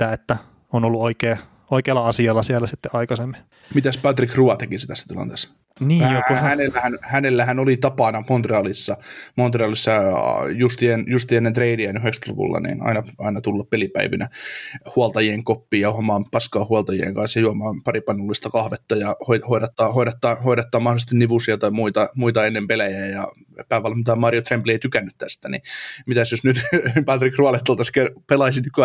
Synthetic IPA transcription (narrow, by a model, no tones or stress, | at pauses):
t̪ːæet̪ːæ | onolːuoikeː | oikeːlːɑɑsiɑlːɑsielːæsit̪ːeʔɑikɑsemːi | mit̪æspɑt̪rikruɑt̪ekisit̪æsːæt̪ilɑ̰nt̪eːsːɑ̥ | niːjohhænelːæhænhænelːæhænolit̪ɑpɑnɑmont̪reɑlisːɑmont̪reɑlisːɑ̰just̪ienjust̪iːenːent̪reidiænyɦekst̪lṵʋṵlːɑ̰nḭːnɑ̰inɑʔɑinɑt̪ulːɑppelipæ̰iʋinʔæhuɑlt̪ɑjieŋkopːiːjɑuhomɑːmpɑskɑːhuɑlt̪ɑjiḛŋkɑnsjɑjuomɑːmpɑripɑnːulːist̪ɑkɑhʋet̪ːɑjɑhoihoiɾet̪ːɑːhoiɾet̪ːɑhoiɾet̪ːɑːmɑholˑist̪iniʋusiɑt̪ɑimuit̪ɑmuit̪ɑenːempelæjæːjɑ | pæːʋælːmit̪æmɑrjot̪remplieit̪ykænːyt̪t̪æst̪ænḭmit̪æsjosnyt̪pɑt̪rikruɑlet̪ːolt̪ɑskepelɑisinnykky